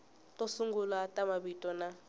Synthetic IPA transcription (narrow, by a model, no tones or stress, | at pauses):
tʼosuŋɡulatʼamabitʼɔna